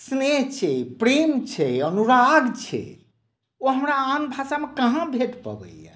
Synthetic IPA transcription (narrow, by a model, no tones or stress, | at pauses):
sneɦt͡ʃʰɛpɾemt͡ʃʰɛənuɾaɡt͡ʃʰɛ̰ | oɦəmɾaanbʱasamekaɦãbʱeʈpə̰bə̰ijɛ̰